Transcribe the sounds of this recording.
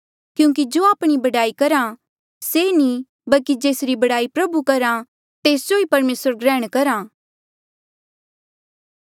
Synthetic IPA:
kjũːŋk̬id͡ʒoːaːpɽ̃ibɐɖaːikɐɾã | senĩ | bɐlkid͡ʒeːsɾibɐɽaːipɾɐbukɐɾã | t̪eːsd͡ʒoipɐɾmeːsəɾɡɾɛ̃ːɽ̃kɐɾã

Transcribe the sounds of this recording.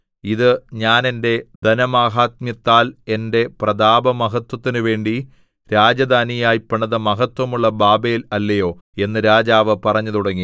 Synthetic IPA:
iðɨɲaːne̞nde̞d̪ɐnɐmaːɦaːt̪̚mjɐt̪ːaːle̞nde̞prɐd̪aːbɐmɐɦɐt̪wɐt̪ːinɨʋe̞ːɳɖi | ɾaːd͡ʑɐd̪aːnijaːjipːɐɳːɐðɐmɐɦɐt̪wɐmuɭːɐbaːbejilɐlːɐjo̞ː | e̞nːɨɾaːd͡ʑaːʋɨpɐrɐɲːɐðuɽɐŋːi

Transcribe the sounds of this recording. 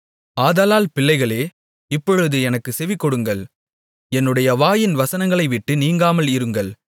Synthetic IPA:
aːðaːlaːlpɪɭːɐɪɣɐɭeː | ɪpːɔɻɯðɯɛnɐkːɯsɛʋɪkːɔɽɯŋɡɐɭ | ɛnːɯɽɐjɐʋaːjɪnʋɐsɐnɐŋɡɐɭɐɪʋɪʈːɯniːŋɡaːmɐlɪɾɯŋɡɐɭ

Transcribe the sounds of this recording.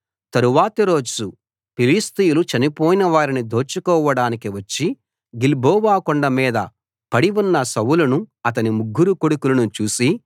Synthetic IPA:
t̪ɐɾuʋaːt̪ɐɾo̞ːd͡ʒu | piliːst̪ijulut͡ʃɐnipɔːjinɐʋaːɾinid̪ʱoːɾt͡ʃːukɔːʋɐɽaːnikiʋɐt͡ʃːi | ɡilbɔːʋaːkɔɳɖɐmiːd̪ɐ̰ | pɐɽiʋunːɐsɐwulɐnuɐt̪̬ɐnimuɡːuɾukoɽukulɐnut͡ʃuːsi

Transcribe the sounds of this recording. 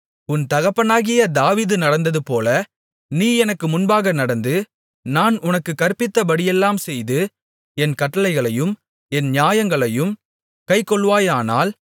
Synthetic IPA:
ʊnt̪ɐɣɐpːɐnaːɣɪjɐd̪aːʋiːðɯnɐɽɐnd̪ɐðɯpoːlɐ | niːɛnɐkːɯmʊnbaːɣɐnɐɽɐnd̪ɯ | naːnʊnɐkːɯkːɐɾpːɪt̪ːɐbɐɽɪjɛlːaːmsɛjðɯ | ɛnkɐʈːɐlɐɪɣɐɭɐjɯm | ɛnɲjaːjɐŋɡɐɭɐjɯm | kɐɪkːɔɭːʋaːjaːna̰ːl

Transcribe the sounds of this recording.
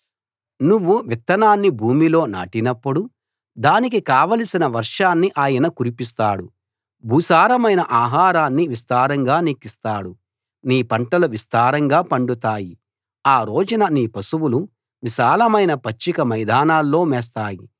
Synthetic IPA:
nuʋːuʋit̪ːɐnaːnːibʱuːmilo̞ːna̰ːʈinɐpːuɽu | d̪aːnik̬ikaːʋɐlisinɐʋɐɾʂaːnːiʔaːjɐnɐkuɾipis̬t̪aːɽu | bʱuːsaːɾɐmɐjnɐʔaːɦaːɾaːnːiʋist̪aːɾɐŋɡaːnikːist̪aːɽu | niːpɐɳʈɐluʋist̪aːɾɐŋɡaːpɐɳɖut̪aːji | aːɾo̞ːd͡ʒunɐniːpɐsuwulu | ʋiʃaːlɐmɐjnɐpɐt͡ʃːikɐmɐjd̪aːnaːlːo̞ːmɛːs̬t̪aːji

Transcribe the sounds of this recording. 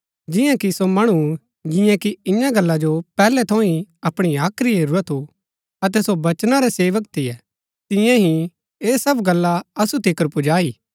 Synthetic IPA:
d͡ʒɪjãkisomɐɽ̃u | d͡ʒɪ̃jãkiɪjãɡɐlːad͡ʒopɛːlɛt̪ʰõːĩɐpɽ̃iaːkʰɾiɦeɾuɾət̪ʰu | ɐt̪̬ɛsobɐt͡ʃnaɾɛseːʋək̚t̪ʰɪjɛ | t̪ɪ̃jãɦĩ | eːsɐbɡɐlːaɐsut̪ɪkəɾpʊd͡ʒaːiː

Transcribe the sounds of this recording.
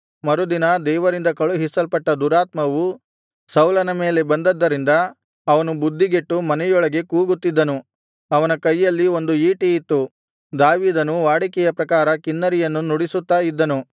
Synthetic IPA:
mɐɾud̪inɐd̪ɛːʋɐɾind̪ɐkɐɭuɦisɐlpɐʈːɐd̪uɾaːt̪mɐʋu | sɐwlɐnɐme̞ːle̞bɐnd̪ɐd̪ːɐɾind̪ɐ | ɐʋɐnubud̪ːiɡeʈːumɐnɛjɔɭɐɡe̞kuːɡut̪ːid̪ːɐnu | ɐʋɐnɐkɐjːɐlːio̞nd̪uiːʈijit̪ːu | d̪aːʋiːd̪ɐnuʋaːɽikɛjɐpɾɐkaːɾɐkinːɐɾijɐnːunuɽisut̪ːaːid̪ːɐnu

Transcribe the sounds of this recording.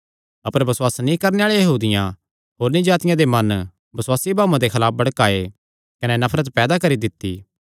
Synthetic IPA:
ɐpəɾbɐswaːsnĩkɐɾneaːɭejɐɦuːd̪ɪjã | ɦoːɾnĩd͡ʒaːt̪ɪjãd̪emɐn | bɐswaːsibʱaːuãd̪ekʰɐlaːp̚ʰbɐɽkaːe | kɐnɛnɐpʰɾət̪pɛːd̪akɐɾid̪ɪt̪ːḭː

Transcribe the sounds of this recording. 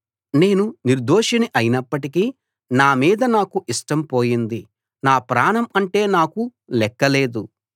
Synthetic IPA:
ne̞ːnuniɾd̪oːʂɐniʔɐjinɐpːɐʈiki | naːmiːd̪ɐnaːkuʔiʂʈɐmpo̞ːjind̪i | naːpɾaːɳɐmɐɳʈe̞ːnaːku | lɛkːɐle̞ːd̪u

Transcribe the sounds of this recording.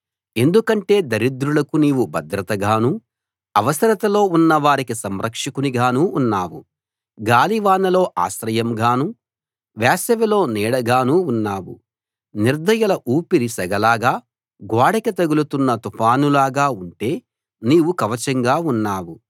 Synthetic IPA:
e̞nd̪ukɐɳʈe̞ːd̪ɐɾid̪ɾulɐkuniːwubɐd̪ɾɐt̪ɐɡaːnu | ɐʋɐsɐɾɐt̪ɐlo̞ːunːɐʋaːɾikisɐmɾɐkʂikuniɡaːnuːnːaːwu | ɡaːliʋaːnɐlo̞ːʔa̰ːsɾɐjɐmɡaːnu | ʋaːsɐʋilo̞ːnɛːɽɐɡaːnuːnːaːwṵ | niɾd̪ɐjɐlɐʔuːpiɾisɐɡɐlaːɡaː | ɡaːɽɐkɐt̪ɐɡulut̪unːɐt̪upʰaːnulaːɡaːuɳʈe̞ː | niːʋukɐʋɐt͡ʃɐŋɡaːunːaːwu

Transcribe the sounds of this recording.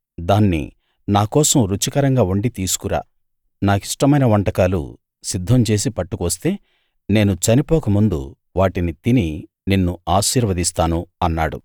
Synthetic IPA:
d̪aːnːḭ | naːkɔːsɐmɾut͡ʃikɐɾɐŋɡaːuɳɖit̪iːsu̥kuɾa̰ː | naːkiʂʈɐmɐjnɐʋɐɳʈɐkaːlṵ | sid̪ʱːɐmt͡ʃe̞ːsipɐʈːukuʋɐst̪e̞ː | ne̞ːnut͡ʃɐnipɔːkɐmund̪ṵ | ʋaːʈinit̪ini | ninːuaːʃiːɾʋɐd̪ist̪aːnuɐnːaːɽṵ

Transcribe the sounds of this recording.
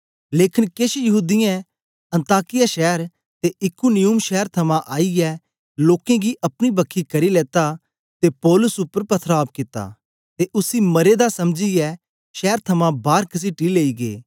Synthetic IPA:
leːkʰɪnkeːʃjɐɦuːd̪ɪjɛ̃ | ɐ̃nt̪aːkɪjaʃɛːɾ | t̪eɪkunɪjʊmʃɛːəɾt̪ʰɐmãʔaːijɛ | loːkẽɡiʔɐpɽ̃ibɐkʰːikɐɾilɛːt̪a | t̪epɔːlʊsʊpːəɾpɐt̪ʰɾaːp̚kɪt̪a̰ | t̪eʔʊsimɐɾed̪asɐmd͡ʒiɛ | ʃɛːɾt̪ʰɐmãbaːɾkɐs̬iʈileːiɡḛː

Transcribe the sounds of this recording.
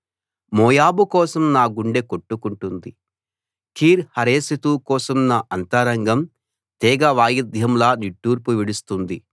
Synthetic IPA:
mɔːjaːbukɔːsɐmnaːɡuɳɖe̞koʈːukuɳʈund̪i | kʰiːɾhɐɾeːsit̪uːkɔːsɐmnaːʔɐnt̪ɐɾɐŋɡɐm | t̪ɛːɡɐʋaːjid̪ʱjɐmlaːniʈːuːɾpuʋiɽust̪und̪i

